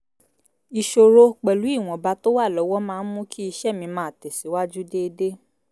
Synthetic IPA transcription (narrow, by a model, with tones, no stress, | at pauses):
i˧ʃo˧ɾo˧k͡pɛ˨lu˨˦i˦˨w̃ɔ̃˨ba˨˧to˦wa˦˨lɔ˨˦wɔ˦mãː˧n̩˦mũ˦ki˦i˧ʃɛ˦˨mĩ˧˦mãː˨˦˨tɛ˨si˨˦wa˦d͡ʒu˦de˦˧de˦